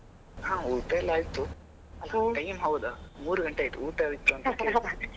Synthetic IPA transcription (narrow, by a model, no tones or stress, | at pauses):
hãːuːʈelːaːjt̪u | ʈɐjmɦɐwd̪ɐmuːɾuɡɐɳʈeaːjt̪uuːʈɐaːjit̪ːuɐnt̪ɐk̪e